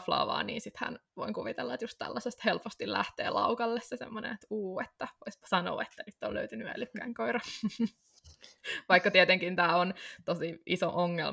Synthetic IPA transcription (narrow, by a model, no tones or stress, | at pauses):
flɑ̰ːʋɑ̰ːnḭːnsit̪hæ̰nʋoiŋkuʋit̪elːɑet̪just̪t̪æ̰lːɑsest̪helpost̪illæht̪ḛːlɑukɑlːessesḛmːonḛnet̪uːet̪ːæʋoispɑ̥sɑno̰ːet̪ːænyt̪ːolø̰yt̪ynyæ̰lykːæiŋkoirɑ | ʋɑikːɑt̪iet̪eŋkint̪æːont̪osiʔisoʔoŋːḛl